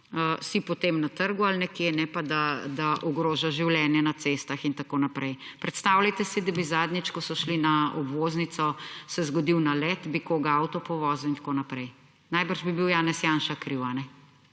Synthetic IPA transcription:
əsipɔt̪emnat̪əɾɡualnɛkjenɛpad̪ad̪aʔɔɡɾoːʒaʒiwlɛːnjɛnat̪sest̪axint̪akoːnapɾʔɛjpɾɛt̪st̪awlajt̪ɛsid̪abizaːd̪nit͡ʃkɔsɔʃlinaɔbʋoznit̪sɔsɛzɡɔd̪iwnalɛt̪bikoːɡaawt̪ɔpɔʋɔːzuint̪ḁkonapɾɛj | najbəɾʒbibiwjaːnɛsjaːnʃakɾiwanɛ

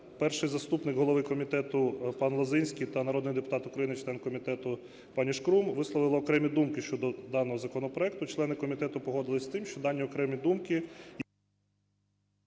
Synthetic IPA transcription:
pɛrʃɪjzɐst̪upnɪɡɦɔlˠɔʋɪkɔmʲit̪ɛt̪ʊpɑnlˠɐzɪnʲsʲkʲijt̪ɐnɐɾɔd̪nɪjd̪epʊt̪ɑt̪ʊkɾɐjinɪt͡ʃlˠɛnkɔmʲit̪ɛt̪ʊ | pɑnʲiʃkɾumʋɪslˠɔʋɪlˠɔːkɾɛmʲid̪umkɪʃt͡ʃɔd̪ɔd̪ɑnɔɦɔzɐkɔnɔpɾɔɛk̚t̪ʊt͡ʃlˠɛnɪkɔmʲit̪ɛt̪ʊpɔɦɔd̪ɪlˠɪsʲt̪ɪmʃt͡ʃɔd̪ɑnʲːiɔkɾɛmʲid̪umkɪ

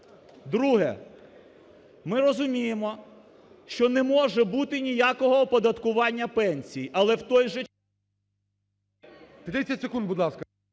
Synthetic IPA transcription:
d̪ɾuɦɛ̰ | mɪɾɔzʊmʲijemɔ | ʃt͡ʃɔnɛmɔʒɛbut̪ɪnʲijakɔɦɔpɔd̪ɐt̪kʊʋɑnʲːɐpɛnʲsʲijiʔɐlˠɛwt̪ɔjʒɛ | t̪ɾɛsʲɐtʲsekund̪̚bud̪lˠɑskɐ

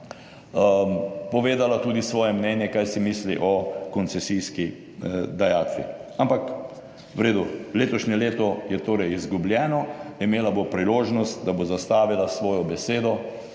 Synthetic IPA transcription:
pɔʋeːd̪alat̪uːd̪isʋɔːjɛmnɛnjɛkajsimiːsliʔɔkɔnt̪sɛsiski | d̪ajaːt̪ʋḭampak | ʋɾeːd̪uleːt̪ɔʃɲɛleːt̪ɔjɛt̪oːɾɛjizɡublʲjɛːnɔimeːlabopɾiloːʒnɔst̪d̪abozast̪aːʋilasʋɔːjɔbɛseːd̪ɔ

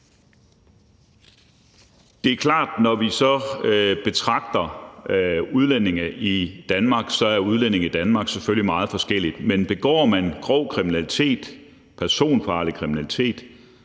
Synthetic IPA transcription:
d̥e̝æɐkʰlɑ̰̈ːd̥nɒʋisɒ̽b̥e̝t͡sʰʁɑ̈ɡ̥̚d̥ɐ | uð̞ˠlen̰e̝ŋɐid̥ænmɑ̈ːɡ̥sɒ̽æɐuð̞ˠlene̝ŋid̥ænmɑ̈ːɡ̥seføllimɑ̈ːð̞̩ˠfɒ̽sɡ̥el̰id̥menb̥e̝ɡ̥ɒ̰ːmænɡ̥ʁɔ̰ʊkʰʁiminælit͡sʰe̝̰ːd̥ | pʰæɐso̝̰ːnfɑ̈ːlikʰʁiminælit͡sʰe̝̰ːd̥

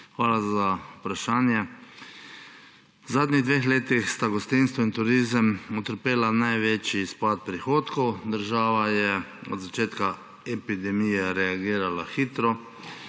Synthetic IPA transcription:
xʋaːlazaupɾaʃaːnjɛ | zaːd̪niɣd̪ʋexleːt̪ixst̪aɡɔst̪inst̪ʋɔint̪ʊɾiːzəmɔt̪əɾpeːlanajʋeːt͡ʃispat̪̚pɾixoːt̪kɔwd̪əɾʒaːʋajɛɔd̪zat͡ʃeːt̪ka | ɛpid̪ɛmijɛɾɛaɡiːɾalaxiːt̪ɾɔ

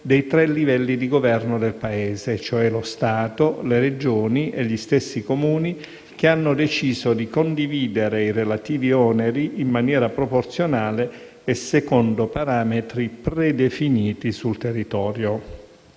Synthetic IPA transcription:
d̪ɛjt̪ɾɛlːivɛlːid̪iɡovɛrnod̪elpaɛːzet͡ʃoɛlost̪aːt̪oleɾed͡ʒoːniʔḛʎːist̪esːikomuːni | k̟eanːod̪et͡ʃiːzod̪ikond̪iviːd̪eɾeirelat̪iːviɔːneɾiimːanjɛːɾapɾoport̪sjonaːleː | sekɔnd̪opaɾaːmet̪ɾipred̪efiniːt̪isult̪erːit̪ɔːɾjo

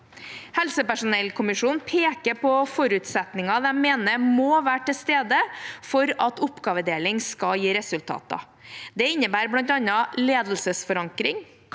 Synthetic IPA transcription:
hɛlsəpæʂʊnɛlkʰʊmɪʂuːnpʰeːkəpʰɔfɔɾʉːt̪sɛt̪nɪŋɑd̪ɛmeːnəmoːʋæːʈɪst̪eːd̪əfɔɾɑt̪ʊpːɡɑːʋəd̪eːlɪŋskɑjiːɾɛsʉlt̪ʰɑ̰ːt̪ɑ̰ | d̪ɛɪnːəbæːɾblɑnt̪ɑnɑleːd̪l̩səsfɔɾɑŋkɾɪŋ

